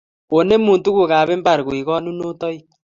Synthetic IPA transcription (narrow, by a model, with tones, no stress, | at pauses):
o˨ne˦mu˨ntu˦ɣu˨ɣaː˨βe˦mba˨ɾɣwi˨ɣɔ˦nu˦no˦tɔ˦i˦